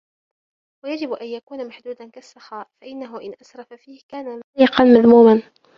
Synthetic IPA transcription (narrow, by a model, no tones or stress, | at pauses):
wajad͡ʒɪbʔanjakuːnamaħd̪uːd̪ankasːɑxaːʔfaʔɪnːaɦʊʔɪnʔasɾˤɑfafiːhkaːnaiːqɑnmaðmuːman